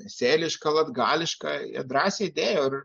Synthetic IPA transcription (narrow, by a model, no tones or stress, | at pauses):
sʲeːlʲɪʃkɐlˠɐd̪ɡɑːlʲɪʃkɐɑɐ̰d̪ɾɑːsʲeːɪd̪ʲeːjoːɪr